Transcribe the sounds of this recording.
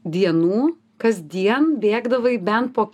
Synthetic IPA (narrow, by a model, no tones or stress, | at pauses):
d̪ʲiɛnuː | kɐzʲd̪ʲiɛnbʲeːɡd̪ɐʋɐɪbʲɛnt̪̚poːkʲ